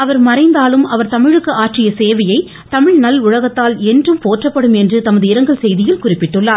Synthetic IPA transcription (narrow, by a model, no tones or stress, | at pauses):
ɐʋɐɾmɐɾɐɪnd̪aːlɯmɐʋɐɾt̪ɐmɪɻɯkːɯaːʈrɪjɐseːʋɐjɐɪ | t̪ɐmɪɻnɐlʊɻɐɣɐt̪ːaːlɛndrɯmpoːʈrɐpːɐɽɯmɛndrɯt̪ɐmɐðɯɪɾɐŋɡɐɭsɛjðɪjɪlkʊrɪpːɪʈːɯɭːaːɾ